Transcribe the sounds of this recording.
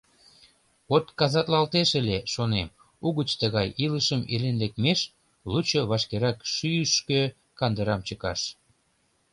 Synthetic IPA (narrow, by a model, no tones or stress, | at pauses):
ot̪kɑzɑt̪lɑlt̪eʃeleʃonem | uɣət͡ɕt̪əɣɑjiləʃəmelenlekmeʃ | lut͡ɕoβɑʃkeɾɑkʃyʃkø | kɑnd̪əɾɑmt͡ɕəkɑ̰ʃ